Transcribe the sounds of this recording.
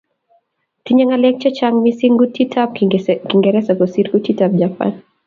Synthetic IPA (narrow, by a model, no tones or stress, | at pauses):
tiɲaŋalɛk̚t͡ʃat͡ʃaŋmisiŋɡutitʰap̚kiŋɡɛɾɛsaɡɔsiɾkutitap̚d͡ʒapa̰n